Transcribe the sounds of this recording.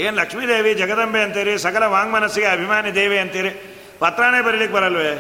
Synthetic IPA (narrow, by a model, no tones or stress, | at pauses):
eːnlɐkʂmiːd̪eːʋid͡ʒɐɡɐd̪ɐmbʱeɐnt̪iːɾisɐkɐlɐʋaːŋɡmɐnɐsːiɡeɐbʱimaːnid̪eːʋiɐnt̪iːɾi | pɐt̪ɾaːneːbɐɾilik̚bɐɾɐlʋeː